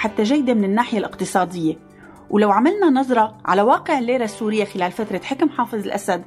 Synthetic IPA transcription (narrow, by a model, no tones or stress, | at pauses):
ħat̪ːaʒajːd̪emɪnɪnːaːħɪjalʔɪqt̪ɨsˤɑːd̪ɪjːe | wlawʕamalnanɑzˤɾˤɑʕa̰lawaːqɪʕɪlʔeːɾasːuːɾɪjːaxɪlaːlfat̪ɾˤɑt̪ħɪkmħɑːfɨzˤɪlʔasad̪